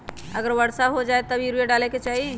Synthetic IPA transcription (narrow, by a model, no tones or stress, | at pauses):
əɡəɾʋəɽsaɦod͡ʒaːet̪əbʱiɾujeɖaːleket͡ʃaːɦie